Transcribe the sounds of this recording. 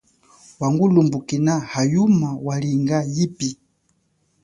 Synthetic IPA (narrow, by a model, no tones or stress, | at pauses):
waŋɡulumbukinahajumawaliŋɡajipi